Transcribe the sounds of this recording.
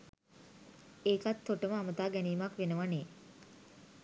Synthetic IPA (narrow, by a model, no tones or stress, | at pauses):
eːkat̪ʰːoʈəməamət̪aːɡæniːmakʋenəʋaneː